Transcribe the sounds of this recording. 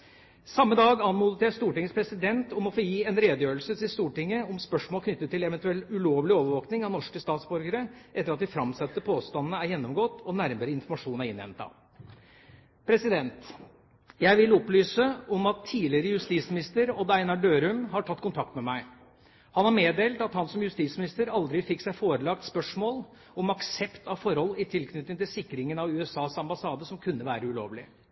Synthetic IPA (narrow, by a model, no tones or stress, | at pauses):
sɑmːəd̪ɑːɡɑnmud̪ət̪ʰeːst̪uːʈɪŋːəspʰɾɛsɪd̪ɛnt̪ɔmɔfoːjiːɛnɾeːd̪əjøːɾəlsət̪ɪlst̪uːʈɪŋːəɔmspœʂmoːlkʰnʏt̪ːət̪ːɪlɛʋɛnt̪ʉɛlʉloːʋlɪoːʋəɾʋoːknɪŋɑnɔʂkəst̪ɑːt̪sbɔɾɡəɾəʔɛt̪ːəɾɑt̪̚d̪ɪfɾɑmsɛt̪ːəpʰoːst̪ɑnnəæɾjɛnːɔmɡoːt̪ːɔnæɾməɾəɪnfɔɾmɑʂuːnæɾɪnːɛ̰mt̪ɑ̰ | pʰɾɛsɪd̪ɛnt̪ | jæɪʋɪlɔplyːsəɔmɑt̪ʰːiːlɪəɾəjʉst̪iːt̪smɪnɪst̪əɾɔd̪ɑɪnɑɖøːɾʉmhɑʈʰɑt̪ːkʰʊnt̪ʰɑk̚t̪mɛmæɪ | hɑnæɾmeːd̪eːlt̪ɑt̪hɑnsɔmjʉst̪iːt̪smɪnɪst̪əɾɑld̪ɾɪfɪksæɪfoːɾəlɑk̚t̪spœʂmoːl | ɔmɑksɛpt̪ɑʋfɔɾhɔlːɪt̪ʰɪlkʰnʏt̪ːɪŋt̪ɪlsɪkːɾɪŋənɑʋʉːɛsɑːsɑmbɑsɑːd̪əsɔmkʰʉnːəʋæːɾəʉlo̰ːʋlɪ̰